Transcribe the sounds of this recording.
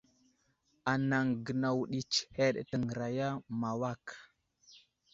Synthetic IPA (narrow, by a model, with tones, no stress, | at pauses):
a˨na˨ŋɡə˨na˨wɗi˨t͡ʃhe˦ɗə̰˨tə˨ŋə˨ɾa˨ja˦ma˨wa˦˨k